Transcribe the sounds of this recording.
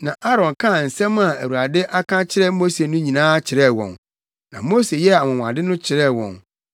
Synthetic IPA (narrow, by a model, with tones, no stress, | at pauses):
nã˨ʔa˦ɾɔ̃˨nkʰã˦˨n̩˨sɛ̃˦ma˨æ˨wu˨ɾa˨dɪ˦ʔa˦kʰã˦t͡ɕʰɪ˦ɾɛ˦mo˦se˨nʊ̃˦ɲĩ˨nãː˦t͡ɕʰɪ˨ɾɛ˦˨wɔ̰̃˨n | nã˨mo˦se˨jɛ˦a˨mʊ̃˨wʷã̰˨dɪ˦nʊ̃˦t͡ɕʰɪ˨ɾɛ˦wɔ̰̃˨n